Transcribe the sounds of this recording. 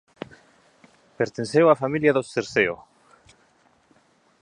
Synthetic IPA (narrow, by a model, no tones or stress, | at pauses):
peɾt̪ensewafamiljaðoseɾseo̰